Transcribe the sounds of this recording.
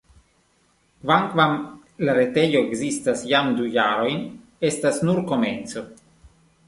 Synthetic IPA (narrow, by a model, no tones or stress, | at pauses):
kvaŋkvam | laɾet̪ejoeɡzist̪asjamd̪ujaɾojn | est̪asnuɾkomenso̞